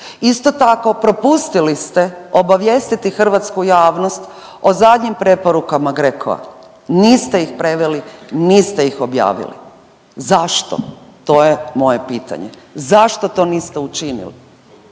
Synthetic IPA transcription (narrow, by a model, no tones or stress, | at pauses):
ist̪o̞t̪ako̞pɾo̞pust̪ilist̪eo̞baʋjest̪it̪ixr̩ʋat̪skujaːʋno̞st̪ | ozad̪ɲimpɾe̞poɾukamaɡɾeko̰a̰ | niːst̪e̞ixpɾe̞ʋeliniːst̪e̞ixo̞bja̰ːʋḭlḭ | zaʃt̪o̰t̪o̞jemo̞je̞piːt̪a̰ɲḛzaʃt̪o̞t̪o̞niːst̪eut͡ʃinḭlḭ